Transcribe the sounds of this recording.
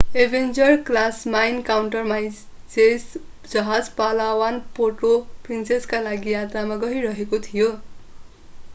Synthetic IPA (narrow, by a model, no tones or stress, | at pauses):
ebʱend͡zʌrklasmajnkawɳʈʌrma | t͡ses | d͡zʌɦad͡zpalawanpʰoʈoprinseskalaɡijat̪ramaɡʌɦiɾʌɦekot̪ʰijo